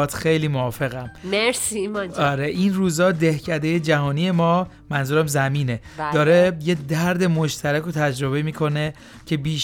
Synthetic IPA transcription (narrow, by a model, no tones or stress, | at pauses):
t̪ʰxejliːmoɒːfe̞ɣæmmeɾsimɒnɒɾeʔinruːzɒːd̪ehcʰæd̪ejed͡ʒæɦɒːnije̞mɒː | mænzuːɾæmzæmiːne̞d̥̪ɒːɾe̞jed̪æɾd̪e̞mo̞ʃt̪ʰæɾæko̞t̪ʰæd͡ʒɾo̞βe̞miːkʰo̞ne | cʰe̞biːʃ